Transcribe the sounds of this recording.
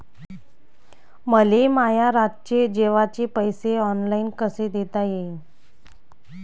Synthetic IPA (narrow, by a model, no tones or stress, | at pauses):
məlemajaɾat̪̚t͡ɕed͡ʑeʋat͡ɕepəjseɔnlainkəsed̪et̪aje